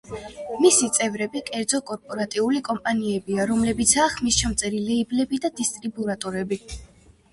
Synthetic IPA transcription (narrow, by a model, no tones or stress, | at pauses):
misit̪sʼɛvɾɛbikʼɛɾd̪zɔkʼɔɾpʼɔɾat̪ʼiulikʼɔmpʼaniɛbiaɾɔmlɛbit̪sʰaːχmisʃamt̪sʼɛɾilɛiblɛbid̪ad̪ist̪ʼɾibuɾat̪ʼɔɾɛbi